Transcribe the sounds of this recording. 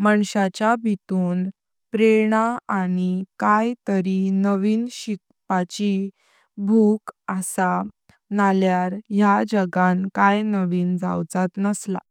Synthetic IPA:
məɳɕat͡ɕjabʱit̪uːn | pɾeɽ̃aaɽ̃ikajt̪əɾinəʋiːnɕik̚ | pat͡ɕi | bʱukəsa | naljaɾjad͡ʑəɡankajnəʋiːnd͡za̰wd͡zat̪nəsla̰

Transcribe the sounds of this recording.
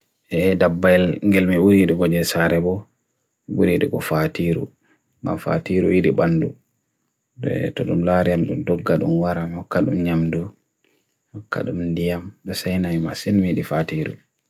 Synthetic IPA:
ʔɛdabːajlŋɡɛlmiuɾiɗɛɡɔd͡ʒɛsaɾɛbɔ | mibuɾiɗɛ̰ɡɔfatiɾṵ | ma̰fa̰tiɾujiɗibandu | dɛ̰tɔɗumlaɾijamɗumdɔɡːaɗṵnwaɾamhɔkːaɗumɲamdu | hɔkːa̰ɗumndijamɗɔsajnama̰sɛnmiɗifatiɾṵ

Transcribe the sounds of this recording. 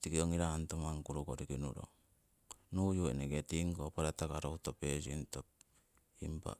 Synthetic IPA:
tikioŋiɾantomaŋkuɾukoɾikinuɾo̰ | nujuḛneɡetiŋkopaɾatakaɾohutopesintop̚ | impa̰

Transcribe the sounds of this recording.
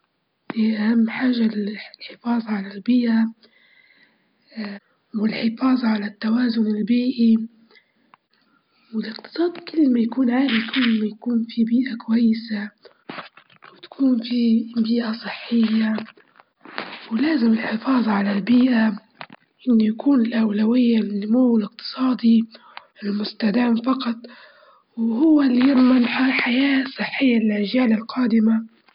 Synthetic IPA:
niʔahamːħaːʒːallħɪfɑːðˤɑʕalalbiːʔa | wɪlħɪfɑːðˤɑʕalat̪ːawaːzʊnɪlbiːʔi | wɪlɪqt̪ɨ̥sˤɑːd̪kɪlːmajakuːnʕaːɾikɪlːmajakuːnfibiːʔakʊwajːɪsa | wɪt̪ḁkʰuːnfibiːʔasˤɨħːɪjːa | wlaːzɪmɪlħɪfɑːðˤʕalalbiːʔa | ʔɪnːʊjakuːnɪlʔawlawɪjːanʊmuːwɪlɪqt̪ɨ̥sˤɑːd̪i | ɪlmʊst̪ad̪aːmfɑqɑt̪ˤ | wɦʊwːalːijɪɾˤmanħaħajaːsˤːɨħːɪjːalɪlʕɪʒaːlalqɑːd̪ɪma

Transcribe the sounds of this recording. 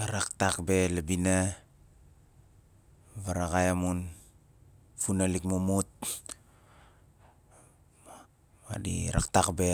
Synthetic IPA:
aɾaktakbelabina | βaɾakajamun | funalikmumut̚ | a̰dḭɾa̰ktakbe

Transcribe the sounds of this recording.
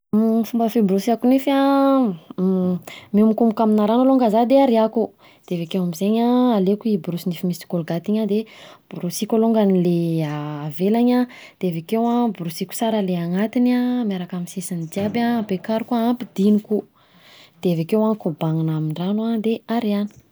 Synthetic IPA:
mfumbəfibɾusiakunefa | mimukumukaminaɾanaloŋɡazad̪eaɾiaku | d̪̥eevekewamizeɲaalekuibɾusinifimisi̥kolɡat̪iɲad̪eb̥uɾusikʲaloŋɡanileaːvelaɲa | d̪̥evekewabuɾusiku̥saɾaleaŋat̪inamjaɾakaminsesanid̪iababekaɾukuaampid̪̥iniku | d̪̥evekewaŋkubaŋinamiɳɖ͡ʐanuad̪eaɾiani̥

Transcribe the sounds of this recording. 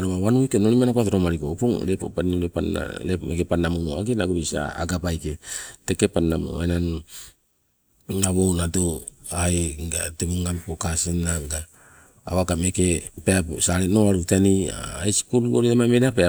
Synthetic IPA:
aɾomaβanuikenoɾimanakuatoɾomaɾikopoŋɾepo̰panuɾepa̰ɾemekepanːamumoakenaɡuɾisa̰a̰ɡabajketekepanːamo̰enan | aβownatoajɡatemuŋɡamkokasenaɡaː | βakamekepeapusaɾenoaɾutenia̰asi̥kunɡoɾeamameɾapea

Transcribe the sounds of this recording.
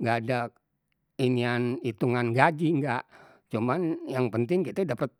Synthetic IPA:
ŋɡaːdak̚ | inianit̪uŋanɡad͡ʒiŋɡaʔ | t͡ʃumanjaŋpənt̪ɪŋkit̪ədapət̪̚

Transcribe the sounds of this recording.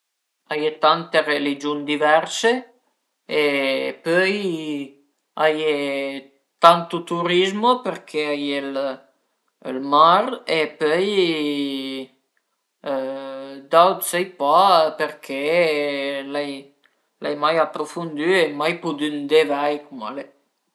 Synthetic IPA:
ajet̪ant̪erelid͡ʒund̪ivɛɾse | epœj | aje | t̪ant̪ut̪uɾizmopeɾkʰeajel | lmaɾepœj | d̪awt̪sajpapeɾkʰe | laj | lʔajmajapɾofund̪yemajpud̪ynd̪evajkuma̰le

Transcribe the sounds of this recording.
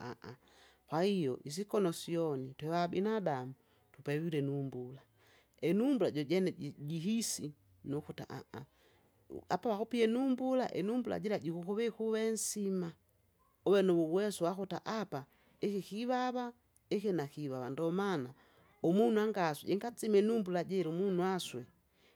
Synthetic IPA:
a̰ʔa | kwahijɔʔis̬ikɔnɔsiɔnitwɛwabinadamu | tupɛwilɛnumbula | ɛnumbulaɟɔɟɛnɛɟiɦisi | nukuta̰ʔa̰ʔa | apawakupiɛnumbulaʔɛ̰numbula̰ɟilaɟikukuβɛkuβɛnsima | ɔwɛnɔβuβwɛsuwakutaʔapa | ɛkikiβaβa | ɛkɛnakiβaβandɔmana | ɔmunuaŋɡaswɛ̰ɟɛŋɡat͡simɛnumbulaɟɛɾumunuaswɛ

